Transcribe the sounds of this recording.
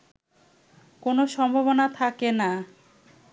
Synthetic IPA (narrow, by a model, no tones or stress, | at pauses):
konoʃɔmbʱoβonat̪ʰakena